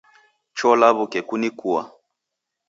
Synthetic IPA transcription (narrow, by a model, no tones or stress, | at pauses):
t͡ʃɔlaβukɛkunikua̰